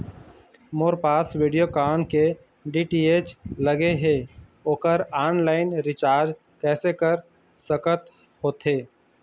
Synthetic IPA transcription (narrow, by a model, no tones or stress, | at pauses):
moːɾpaːswiɖijokaːnke | ɖiʈiːeːt͡ʃləɡeɦeoːkəɾaːnlaːɪnɾɪt͡ʃaːɾd͡ʒ | kɛːsekəɾ | səkət̪ | ɦoːt̪ɦeː